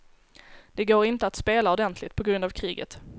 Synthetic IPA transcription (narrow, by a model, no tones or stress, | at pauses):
d̪̥ɛɡoːɾɪnt̪əat̪speːlaɔd̪ɛnt̪ʰlɪt̪pʰɔɡɾɵnd̪avkʰɾiːɡə̰t̪